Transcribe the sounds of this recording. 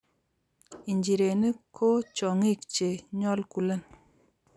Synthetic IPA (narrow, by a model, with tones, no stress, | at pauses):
i˨ɲd͡ʒi˨ɾe˨nə˦kʰo˦t͡ʃɔ˨ŋi˦˨k̚t͡ʃe˨ɲɔ˦lku˨lə˦˨n